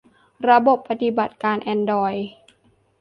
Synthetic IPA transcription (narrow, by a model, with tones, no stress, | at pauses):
ɾa˧bo˨˩pːa˧t̪i˨˩ba˨˩t̪̚kaː˧nʔɛː˧ndɔː˧j